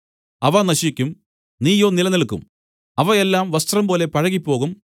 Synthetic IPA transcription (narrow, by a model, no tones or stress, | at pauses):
ɐʋɐnɐɕikʲːum | niːjo̞ːnilɐnɐlɭkːṵm | ɐʋɐelːaːmʋɐst̪rɐmpo̞ːle̞pɐɻɐɣipːo̞ːɣum